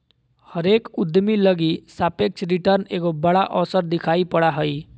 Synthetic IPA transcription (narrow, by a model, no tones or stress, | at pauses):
hʌɾekud̪ʱmilʌɡisapek̚t͡ʃɾiʈʌrneɡobʌɽaʔɔsʌɾd̪ikʰajpʌɽaɦəj